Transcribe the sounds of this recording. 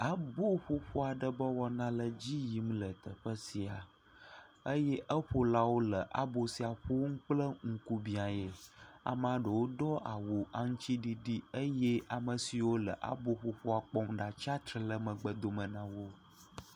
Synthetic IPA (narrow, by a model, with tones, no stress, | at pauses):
a˨bo˦ɸo˦ɸo˦a˨ɖə˨bə˦wɔ˦nã˦lə˨d͡ʑi˦ji˨˦m˦lə˨t̪ə˨ɸə˦si˨a˨ | ə˦jɛ˦ʔə˦ɸo˦la˦wo˦lə˨ʔa̰˦bo˨si˨a˨ɸo˦ŋ̩˦k͡plə˦ŋ̩˦ku˦bĩ˨a˨je˨a̰˨m˦a˨ɖə˨wo˦dɔ˦ʔa˨wu˨a˨ŋũ˦t͡ɕi˦ɖi˦ɖi˦ə˦jɛ˦ʔa˨mə˨si˨wo˦lə̰˨ʔa̰˦bo˦ɸo˦ɸo˦a˨k͡pɔ˦mɖa˨t͡ʃa˦t̪ɾi˨lə˦˨mə̃˨ɡ͡bə˨d̪o˨mə˨nã˦wo˦